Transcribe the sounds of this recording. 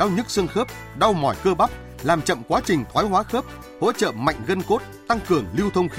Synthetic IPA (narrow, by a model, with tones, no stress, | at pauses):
ɗa˧wɲɨ˦˥t̚sɨ˧əŋxəː˦˥p̚ | ɗa˧wmɔ˧˩jkəː˧ɓa˦˥p̚ | laː˨˩mt͡ɕə̰˧˨mkwaː˨˦t͡ɕï˨˩ŋ̟t̪ʰwaː˨˦jɦwaː˨˦xəː˦˥p̚ | ho̰˧˥t͡ɕə̰ː˧˨ma̰˧˨jŋ̟ɣə˧nko˦˥t̚t̪a˧ŋkɨ˨˩əŋli˧wt̪ʰə˧wŋ͡mxi˦